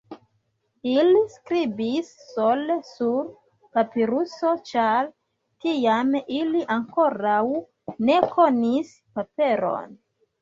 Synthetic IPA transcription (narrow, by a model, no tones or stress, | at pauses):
iliskɾibisːolesuɾ | papiɾuso̞t͡ʃaɾ | tiamiliʔaŋko̞ɾaw | ne̞kʰo̞nis | pape̞ɾo̞̰n